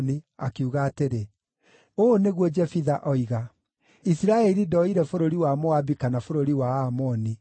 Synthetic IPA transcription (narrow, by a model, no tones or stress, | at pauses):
niakiuɣaːteɾe | oneɣwɔd͡ʒɛfiðaʔɔiɣa | isiɾaɛɾidɔiɾɛfoɾoɾiwamoabikanafoɾoɾiwaamɔni